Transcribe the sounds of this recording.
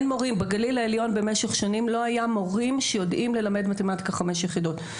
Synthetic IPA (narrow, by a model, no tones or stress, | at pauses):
nmo̞ʁimbeɡalilaeljo̞nbe̞meʃeχʃanimlo̞ajamo̞ʁimʃejo̞dʔimle̞lame̞dmatimatkaχameʃjeχidot